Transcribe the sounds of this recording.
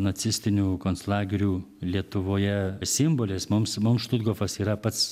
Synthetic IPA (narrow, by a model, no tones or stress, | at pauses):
nɐt͡ssʲɪsʲt̪ʲɪnʲuːkoːnslˠɑːɡʲɪɾʲuː | lʲiɛt̪ʊʋoːjɛsʲɪmboːlʲeːsmʊmsmʊmʃt̪ʊd̪ɡoːfɐsiːɾɐpɐt̪s